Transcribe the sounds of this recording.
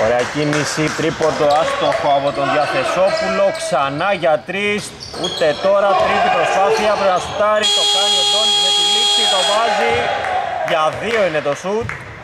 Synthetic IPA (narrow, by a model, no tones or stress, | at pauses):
oɾeɐcinisit̪ɾipo̞d̪oɐst̪oxoɐpo̞t̪o̞nðjɐθe̞so̞pulo̞ksɐnɐʝɐt̪ɾis | ut̪e̞t̪o̞ɾɐt̪ɾist̪ipɾo̞spɐθiɐpɾonɐsut̪ɐɾit̪o̞pɐnoponiset̪ilisiðo̞vɐzi | ʝɐðio̞ine̞t̪o̞sut̪